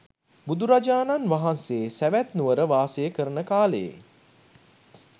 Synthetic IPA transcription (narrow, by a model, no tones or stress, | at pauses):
bud̪uɾad͡ʒaːnanʋaɦanseːsæʋæt̪nuʋəɾəʋaːsəjəkəɾənəkaːləjḛ